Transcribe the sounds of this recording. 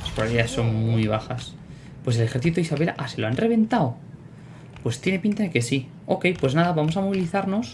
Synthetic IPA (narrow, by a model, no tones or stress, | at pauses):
laspɾaɾiasːo̞ŋmujβ̞axas | pwe̞s̬e̞lexe̞ɾθit̪uisaβe̞lʔase̞loanre̞βẽ̞nt̪aw | pwe̞st̪jene̞pint̪aðeke̞si | o̞ke̞jpwe̞znaðaβamo̞samo̞β̞iliθaɾno̞s